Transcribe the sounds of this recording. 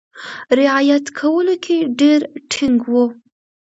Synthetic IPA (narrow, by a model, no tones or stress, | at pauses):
ɾɪʕajat̪kʰawəlokʰeɖeɾʈʰɪŋɡwo